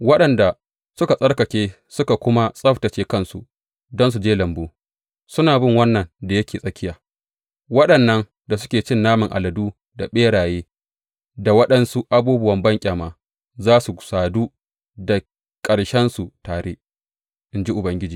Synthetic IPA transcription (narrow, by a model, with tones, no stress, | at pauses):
wɐ˦ɗɐ˨nda˨ | sʊ˦ka˨sʼɐ˦ɽkɐ˨kʲeː˦ | sʊ˦ka˨kʷʊ˦ma˦sʼɐ˦ɸtɐ˨t͡ʃeː˦kɐ˦nsṵ˨ | dɔ˦ns̬u˨d͡ʒeː˦lɐ˨mboː˦ | sʊ˦naː˨bɪ˦ŋwɐ˦nːɐ˨nda˨jɐ˦kʲeː˨sʼɐ˦kʲɪ˦jaː˨ | wɐ˦ɗɐ˨nːɐ˦ŋ | da˨s̬ʊ̥˦kʲeː˨t͡ʃɪ˦nːaː˦mɪ˨ŋʔa̰˨lɐ˨duː˦ | da˨ɓeː˦ɽaː˨jeː˦ | da˨wɐ˦ɗɐ˦nsu˦ʔa˦buː˦bʊ˦wɐ˨mbɐ˦ŋkʲʼaː˨maː˨ | zaː˦su˨saː˨duː˦ | da˨ | kʼɐ˨ɽʃɛ˦nsu˨taː˨ɽeː˦ʔ | ʔɪ˦nd͡ʒi˦ʔʊ˨bɐ˦ŋɡʲɪ˦d͡ʒiː˨